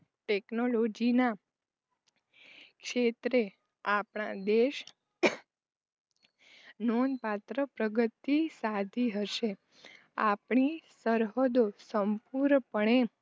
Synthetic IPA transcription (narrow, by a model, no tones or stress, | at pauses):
ʈeknolod͡ʒina | kʃet̪ɾe | apɳad̪eʃ | nonpat̪ɾəpɾəɡət̪ːisad̪ʱiɦəʃe | a̰pɳisəɾɦəd̪osəmpuɾɾpəɳe